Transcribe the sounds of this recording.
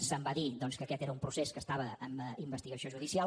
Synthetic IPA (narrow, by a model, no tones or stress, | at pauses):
səmbaðid̪ɔnskəkɛt̪eɾəumpɾuseskəst̪aβəəməimbəst̪iɣəsioʒuðisia